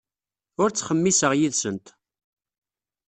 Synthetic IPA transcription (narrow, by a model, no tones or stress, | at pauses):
ʊɾt͡sːχəmːisəʁjiðsənt̪